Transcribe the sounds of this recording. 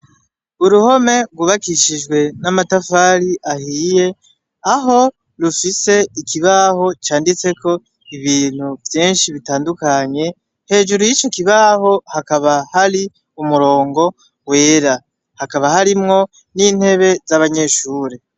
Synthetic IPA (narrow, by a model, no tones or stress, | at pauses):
uɾuho̞me̞ɡuβakiʃid͡ʒɡwe̞namatafaːɾiʔahije̞ | aɦo̞ | ɾufise̞ikʰiβaho̞t͡ʃaːndit͡se̞ko̞ | iβiːn̥huvjeːnʃiβitaːndukaɲe̞ | he̞ːʒuɾujit͡ʃo̞kiβaho̞hakaβahaɾi | umuɾo̞ːŋɡo̞ | we̞ːɾa | hakaβahaɾimŋo̞ | niːn̥he̞βe̞zaβaɲe̞ʃuːɾe